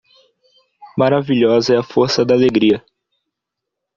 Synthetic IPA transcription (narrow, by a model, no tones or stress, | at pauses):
maɾaviʎɔzɐɛɐfoɾsɐd̪aːleɡɾiɐ